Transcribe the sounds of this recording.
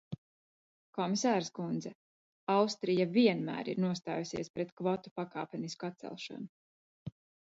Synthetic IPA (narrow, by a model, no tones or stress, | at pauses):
kɔmisaːɾskund̪zɛ | awst̪ɾijaviɛnmæ̰ːɾḭɾnuɔst̪a̰ːjusiɛspɾɛt̪kvɔt̪u̥pakaːpʲɛniskat̪sɛ̰lˠʃa̰nu